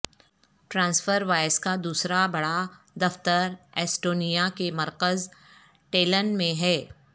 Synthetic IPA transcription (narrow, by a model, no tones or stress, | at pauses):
ʈɾãːnsfəɾʋaːɪskad̪uːsɾabɐɽa | d̪ɐft̪əɾɛːsʈoːnijakemɐɾkəz | ʈeːlənmẽɦɛː